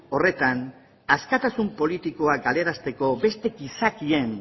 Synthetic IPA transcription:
o̞re̞t̪an | askat̪asumpo̞lit̪iko̞akɡale̞ɾast̪e̞ko̞be̞st̪e̞ɡisakie̞n

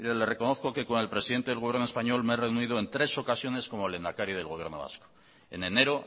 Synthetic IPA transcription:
ɾele̞re̞ko̞no̞θko̞ke̞ko̞ne̞lpɾe̞siðent̪eelɣo̞βje̞rnoe̞spaɲo̞lmeere̞unið̞o̞e̞nt̪ɾe̞so̞kasjo̞ne̞sko̞mo̞elend̪akaɾjoð̞elɣoje̞ɾno̞̰βa̰sko̥ | e̞̰nene̞ɾo

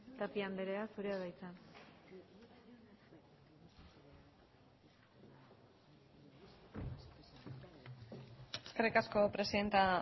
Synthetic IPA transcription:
t̪apiambe̞ɾeasuɾeaðajt͡san | eskerikasko̞pɾe̞siðe̞nt̪a

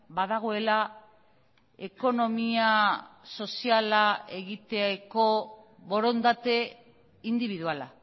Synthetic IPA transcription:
baðaɣ̞o̞e̞la | e̞ko̞no̞miaso̞sialae̞ɣit̪eko̞βo̞ɾo̞nd̪at̪e̞ | ind̪iβiðuala

